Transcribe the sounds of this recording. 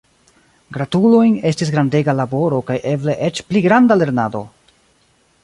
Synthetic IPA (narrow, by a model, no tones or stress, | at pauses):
ɡɾatulo̞jne̞stis̬ɡɾandeɡalabo̞ɾo̞kajʔe̞ble̞ʔe̞t͡ʃpliɡɾandale̞ɾnado̞̰